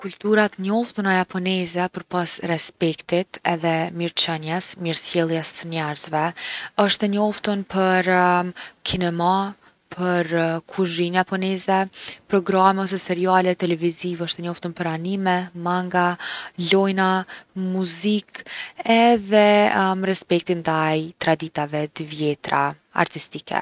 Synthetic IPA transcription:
kult̪uɾat̪ɲɔft̪unajapʰɔnɛzɛpəɾpasrɛspɛkt̪it̪ɛðɛmiɾt͡ʃɛnjɛsmiɾsjɛlˠjɛsːənɛɾzvɛɔʃt̪ɛɲɔft̪unpəɾ | kʰinɛma | pʰəɾkʰuʒɾinjapɔnɛzɛpɾɔɡɾamɛɔs̬ɛsɛɾialɛt̪ɛlɛvizivɔʃt̪ɛɲɔft̪unpəɾanimɛmaŋɡalɔjnamuzikɛðɛməɾɛspɛk̚t̪ind̪ajt̪ɾad̪it̪avɛt̪əvjɛt̪ɾa̰ | a̰ɾt̪ist̪ikʰɛ̰

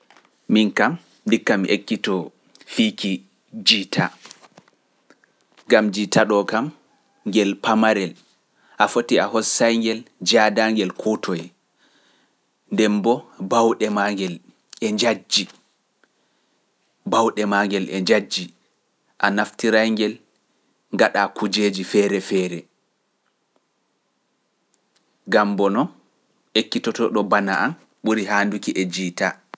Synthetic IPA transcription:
minkam | dikːamiʔekːitɔ | fiki | d͡ʒitʰa | ŋɡamd͡ʒitaɗɔkam | ŋɡɛlpamaɾɛl | ʔafotiahɔsajŋɡɛld͡ʒadaŋɡɛlkʰotʰɔj | ndɛmbɔbawɗɛmaŋɡɛl | ʔɛɲd͡ʒad͡ʒi | bawɗɛmaːŋɡɛlʔɛ̰ɲd͡ʒad͡ʒːi | ʔanaftiɾajŋɡɛl | ŋɡaɗakud͡ʒeːd͡ʒifɛːɾɛfɛːɾɛ | ɡambɔnɔn | ekːitɔtɔɗɔbanaʔan | ɓuɾiɦaːndukiʔɛd͡ʒita

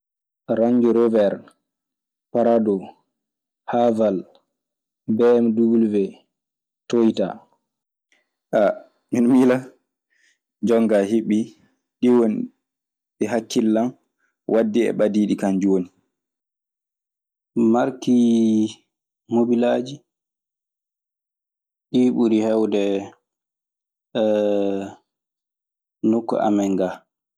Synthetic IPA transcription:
ɾaɲd͡ʒuɾɔvɛɾ | paɾadɔ | haval | bɛːmdubulvɛ | tojta̰ | ʔa | minmila | d͡ʒɔŋɡaɦiɓːi | ɗiwon | ɗɛɦakʰːilːam | wʔadːiɛ̰ɓadiːɗikand͡ʒoːni | maɾki | mobilaːd͡ʒi | ɗiːɓuɾihɛwdɛ | nukːɔ̰ʔa̰mɛŋɡa

